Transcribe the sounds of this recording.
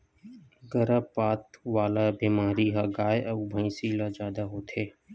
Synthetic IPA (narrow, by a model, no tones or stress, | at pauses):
ɡəɾaːpaːt̪ʋaːlaːbiːmaːɾiːɦaɡaːjeəʊbʱəĩːsiːlaːd͡ʒaːd̪aːɦoːt̪ʰeː